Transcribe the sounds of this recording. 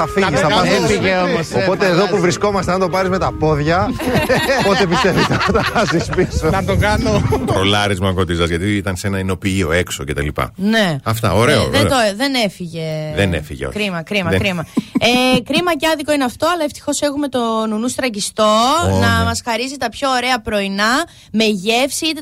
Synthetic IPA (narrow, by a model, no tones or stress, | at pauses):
ɐfiɐisɐɐeomɐsoo̞t̪eːðo̞puvɾisko̞mɐst̪eɐnt̪o̞pɐɾizme̞t̪ɐpo̞ðʝɐ | po̞t̪epist̪e̞vist̪ɐput̪ɐpɐzispisonɐt̪okɐnopɾolɐɾizmɐkot̪izɐzʝɐt̪iit̪ɐnse̞nɐino̞piio̞e̞ksoce̞t̪ɐ̰lipɐ̰ne̞ɐft̪ɐ̰oɾe̞oðed̪oðe̞ne̞fiʝe̞ðenefḭʝḛkɾimɐkɾimɐkɾimɐekɾimɐceɐðikoineɐft̪o̞ɐlɐeft̪i̥xo̞se̞ɣume̞t̪o̞nunust̪ɾɐcist̪o̞nɐmɐsxɐɾizit̪ɐpço̞ːɾe̞ɐpɾo̞inɐ | me̞ʝe̞fsiit̪e